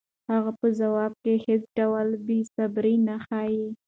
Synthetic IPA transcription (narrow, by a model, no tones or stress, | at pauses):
haɣapəzawɑb̚kehet͡sɖawalbesabɾinaxɑji